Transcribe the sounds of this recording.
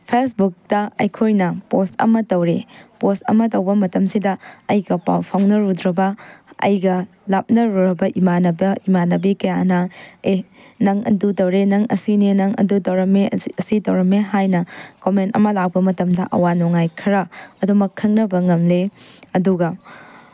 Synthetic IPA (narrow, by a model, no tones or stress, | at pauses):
pʰesbuk̚tɐɐ̰jkʰojnɐpostɐ̰mɐtɐwɾepostɐ̰mɐtɐwbɐmɐtɐmsidɐɐjɡɐpa̰wpʰaŋnɐɾudɾɐbɐɐ̰jɡɐ | lap̚nɐɾuɾɐbɐʔimanɐbɐimanɐbikɐjanɐe | nɐŋɐ̰dutɐwɾenɐŋɐ̰sininɐŋɐ̰dutɐwɾɐmeɐsitɐwɾɐmeɦajnɐkomentɐ̰mɐlawbɐmɐtɐmdɐʔɐ̰wanɔŋajkʰɐɾɐɐdumɐkʰːɐŋnɐbɐŋɐmleɐduɡɐ